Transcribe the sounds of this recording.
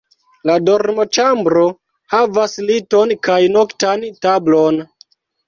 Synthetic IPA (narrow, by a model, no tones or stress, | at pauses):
ladoɾmo̞t͡ʃambɾo̞ | havaslito̞nkajnoktantablo̞n